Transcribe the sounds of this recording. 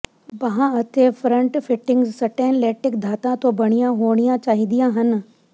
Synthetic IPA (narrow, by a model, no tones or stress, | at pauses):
bɐɦãɐt̪efʰɾə̃ɳʈfʰɪʈɪ̃ŋɡzsɐʈeːnleːʈɪkd̪ʱaːt̪ãt̪obɐɽ̃ijãɦoːɽ̃ijãt͡ʃaːɦid̪ijãɦɐn